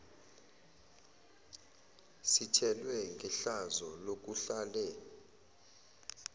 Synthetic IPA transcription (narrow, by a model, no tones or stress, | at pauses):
sitʰɛlwɛŋɡʱɛɬazɔlok̬ʼuɬalɛ